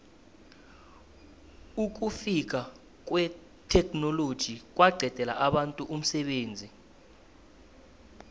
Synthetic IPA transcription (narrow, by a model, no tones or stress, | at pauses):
uk̬ufik̬a | k̬ʼwɛ | tʰɛkʰʼnɔlod̥ʒ̥ʱik̬ʼwʔaɡ͡ǀʱɛd̥ʱɛla̰ʔaɓantʼuʔum̩sɛɓeːnd͡zʱi